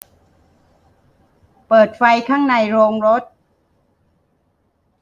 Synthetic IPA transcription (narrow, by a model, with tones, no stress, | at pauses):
pɤː˨˩t̪̚fa˧jkʰaː˥˩ŋna˧jɾoː˧ŋɾo˦˥t̪̚